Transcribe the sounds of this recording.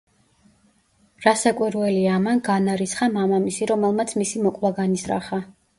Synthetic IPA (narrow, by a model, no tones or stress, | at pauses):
ɾasakʼwiɾwɛliamanɡanaɾisχamamamisiɾɔmɛlˠmat̪sʰmisimɔkʼwaɡanisɾa̰χa